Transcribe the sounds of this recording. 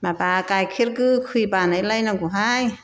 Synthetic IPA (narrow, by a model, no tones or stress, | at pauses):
mapaːkajkʰiɾkɯkʰipaːnajlajnaŋkuɦaj